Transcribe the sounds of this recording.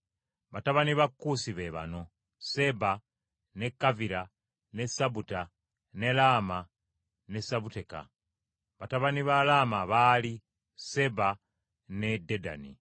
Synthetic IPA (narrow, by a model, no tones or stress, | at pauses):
βataβaniβakːusiβe̞βa̰no̞ | se̞ba | ne̞kːaviɾa | nesabuta | ne̞laːma | ne̞saβute̞ka̰ | βataβaniβalamaβaːli | se̞ba | nededa̰nḭ